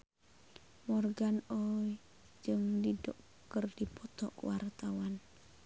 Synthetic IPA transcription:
mɔrɡanɔj | d͡ʒɨŋdidɔʔ | kərdipɔt̪ɔʔkwart̪awan

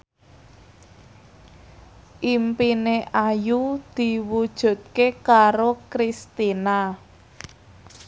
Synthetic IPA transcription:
ʔimpineʔajud̪̥i̤wud̥ʒ̥ṳt̪̚kekaɾokɾist̪ina

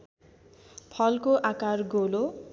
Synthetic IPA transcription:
pʰʌlkoʔakarɡolo

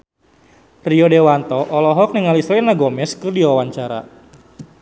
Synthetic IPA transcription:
riɔdewant̪ɔʔɔlɔɦɔk̚niŋalislɛnaɡɔmɛskɨrdiwawaɲt͡ʃaɾa̰

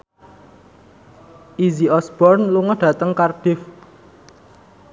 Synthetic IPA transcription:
ʔiziɔsb̥ɔrnluŋɔɖ̥ä̤t̪əŋkarɖ̥ɪf

